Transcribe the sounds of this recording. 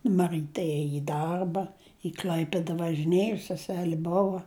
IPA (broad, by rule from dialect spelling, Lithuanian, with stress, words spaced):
mɐˈrɨtʲɛ ˈeːjɪ ɪ ˈdɐrbɐ ɪ ˈklʲɐɪpʲɪdɐ ʋɐʒʲɪˈnʲeːjʊ sʲɛˈsʲæːlʲɪ ˈboːʋɐ